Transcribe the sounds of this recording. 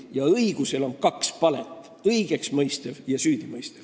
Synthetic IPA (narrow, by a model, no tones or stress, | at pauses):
jɑɤiɡ̥use̞lo̞nkɑkspɑlet̪ˑː | ɤjɡ̥e̞ksmɤjst̪evjɑsyːd̪̥imɤjst̪ev̥